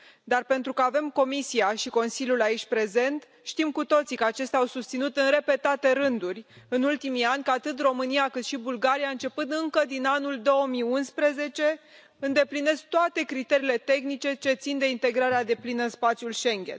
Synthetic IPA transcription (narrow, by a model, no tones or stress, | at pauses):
d̪arpe̞nt̪ɾukəave̞mko̞misiaʃiko̞nsilʲjulait͡ʃʲpɾe̞ze̞nt̪ | ʃt̪imkut̪o̞t̪sikəat͡ʃe̞st̪eawsust̪sinut̪ɨnre̞pe̞t̪at̪e̞ɾɨnd̪urʲ | ɨnult̪imianʲkəat̪ɨt̪ro̞mɨnijakɨt̪ʃibulɡaɾiaɨnt͡ʃe̞pɨnd̪ɨŋkəd̪inanuld̪o̞əmijunspɾeze̞t͡ʃe̞ | ɨnd̪e̞pline̞sk̚t̪oat̪e̞kɾit̪e̞ɾiːle̞t̪e̞xnit͡ʃe̞t͡ʃe̞t̪sind̪e̞int̪e̞ɡɾaɾead̪e̞plinəɨspat̪sjulʃe̞ŋɡʲe̞̰n